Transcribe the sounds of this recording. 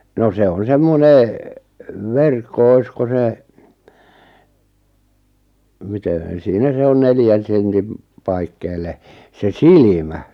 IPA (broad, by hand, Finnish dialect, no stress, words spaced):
no se on semːone ʋerkːo oisko se mite siːnæ se on neljæn̞ sentim pɑikːeːlˑe se silimæ